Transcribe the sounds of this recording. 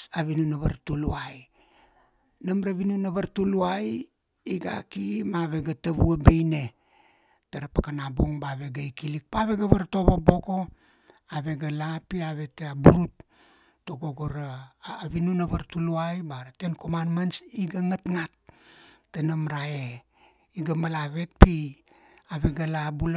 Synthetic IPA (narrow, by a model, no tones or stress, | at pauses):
aβinunaβa̰ɾtuluaj | namɾaβinunaβaɾtuluaj | iɡa̰kimaβe̞ɡataβuabejne̞ | taɾapakanabo̞ŋbaβe̞ɡaikilik̚paβe̞ɡaβaɾto̞βabo̞ko̞ | aβe̞ɡalapiaβe̞teabuɾut | toɡoɡoɾaːβinunaβaɾtuluajbaɾatenkomanmansiɡaŋatŋat̚ː | anamɾae | iɡamalaβe̞t̚pi | aβe̞ɡalabul